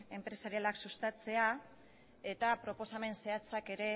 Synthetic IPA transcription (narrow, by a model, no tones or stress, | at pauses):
e̞mpɾe̞saɾialaksust̪at͡se̞a | e̞t̪apɾo̞po̞same̞nseat͡sake̞ɾe̞